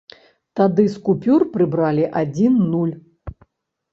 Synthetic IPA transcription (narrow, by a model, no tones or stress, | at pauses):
t̪ad̪ɨskupʲurpɾɨbɾalʲiʔad͡zʲinːulʲ